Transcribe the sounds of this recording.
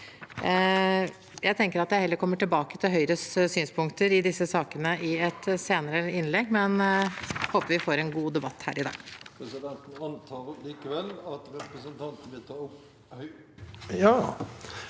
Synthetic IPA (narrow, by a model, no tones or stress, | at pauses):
jæɪt̪ʰɛŋkəɾɑt̪jæɪhɛlːəɾkʰɔmːəʈɪlbɑːkət̪ʰɪlɦœʏɾəsyːnspʰʊŋkt̪əɾɪd̪ɪsːəsɑːkənəɪɛt̪seːnəɾəɪnlɛɡmɛn | hoːpəʋɪfoːɾɛnɡuːd̪ɛbɑt̪ːhæ̰ːɾɪd̪ɑ̰ːɡpʰɾɛsɪd̪ɛnt̪n̩ɑnt̪ʰɑːɾliːkəʋɛlːɑt̪ɾɛpɾəsənt̪ʰɑnt̪ən̩ʋɪlt̪ʰɑːɾʊp | hœ | jɑː